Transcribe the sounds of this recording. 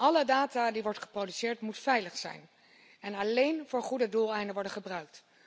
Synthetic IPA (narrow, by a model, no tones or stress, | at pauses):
ʔɑlədaːtadiʋɔɹtχə̥prowdysɪːɹtmutfɛjləχsɛ̰jn | ɛnɑlejnvʊːɹχudədulˠɛjndəʋɔɹdəχəbrœɥk̚t